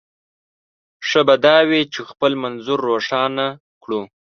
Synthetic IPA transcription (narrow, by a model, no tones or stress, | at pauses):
ʂəbad̪ɑwet͡ʃexpəlmanzʊɾːoʂɑna | kɽu